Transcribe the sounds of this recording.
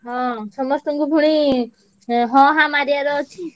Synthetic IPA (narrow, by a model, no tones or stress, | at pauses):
ɦɔ̃sɔmɔst̪uŋɡubʱuɽ̃i | ɦɔ̃ɦãmaɾijaɾɔt͡ʃʰi